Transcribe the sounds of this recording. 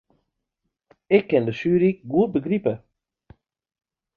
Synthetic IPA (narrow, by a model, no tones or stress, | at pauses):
ɪkʰːɛndəsyːɾikɡuət̚bəɡripə